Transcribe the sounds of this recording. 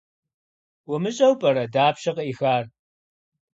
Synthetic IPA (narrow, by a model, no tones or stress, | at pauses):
wʊmɨɕʼɐwpʼɐɾɐdaːpɕɐqɐiːxaːr